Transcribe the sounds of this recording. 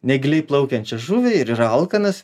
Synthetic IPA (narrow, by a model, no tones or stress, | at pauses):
nʲɛɡʲlʲɛɪplˠɐʊkʲɛnʲt͡ʃʲɛʒuʋʲɛɪɾɪɾɐlˠkɐnɐs